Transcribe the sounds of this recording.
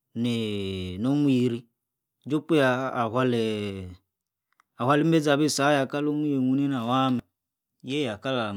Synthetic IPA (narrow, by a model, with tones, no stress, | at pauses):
ne˨nɔ˦mwi˨ɾi˦ | d͡ʒo˦k͡pe˦aː˨ɦwa˦lɛ˨ | a˨hwa˦˨li˦m̩˦bɛ˦d͡za˨βe˦˨sa˨˦ja˨ka˦lo˦mi˦je˨mu˨ne˦na˨wa˦mɛ˨ | jɛ˦ja˨ka˦la˨